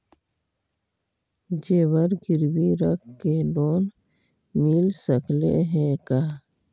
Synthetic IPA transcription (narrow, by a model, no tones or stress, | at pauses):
d͡ʒeːwəɾɡɪɾwiɾəkʰkeloːn | mɪlsəkʰlḛɦɛ̃kaː